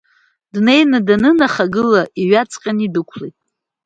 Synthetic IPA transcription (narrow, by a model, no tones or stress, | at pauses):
dne̞jnadanɨnaχaɡɨlaʔiɥat͡sʼqʲʼanidɨkʷʰlejtʼ